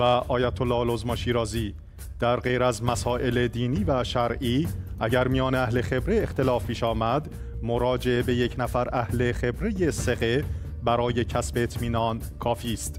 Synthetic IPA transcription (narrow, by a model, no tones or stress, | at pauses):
væʔɒːjæt̪ʰolːɒːhlozmɒʃiːɾɒːziː | d̪̥æɾɢe̞jɾæzmæsɒːʔe̞led̪iːniːvæʃæɾʔiːʔæɟæɾmijɒːneæhle̞xe̞bɾeːxt̪e̞lɒːfpʰiːʃɒːmæd̪ | moɾɒːd͡ʒe̞ebe̞je̞cʰnæfæɾʔæhle̞χe̞bɾe̞jese̞ɣe̞ | bæɾɒːje̞cʰæsbeːt̪ʰmiːnɒːn | kʰɒːfiːst̪